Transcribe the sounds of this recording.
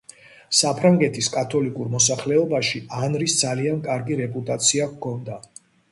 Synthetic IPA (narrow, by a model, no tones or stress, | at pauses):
sapʰɾaŋɡɛt̪ʰiskʼat̪ʰɔlikʼuɾmɔsaχlɛɔbaʃianɾisd̪zaliankʼaɾɡiɾɛpʼut̪ʼat̪sʰiakkʰɔnd̪a